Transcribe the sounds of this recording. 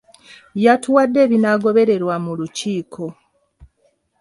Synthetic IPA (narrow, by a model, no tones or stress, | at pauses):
jatuwadːe̞ːβinaɡo̞βe̞ɾe̞ɾwamuluciːkʰo̞